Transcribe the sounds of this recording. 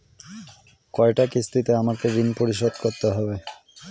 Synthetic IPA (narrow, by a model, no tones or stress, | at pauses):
kɔeʈakist̪it̪eamakeɾinpoɾiʃ̬od̪koɾt̪eɦɔbe